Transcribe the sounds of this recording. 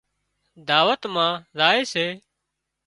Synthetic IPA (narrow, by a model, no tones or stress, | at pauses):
d̪aːʋət̪mãːzaːeːseː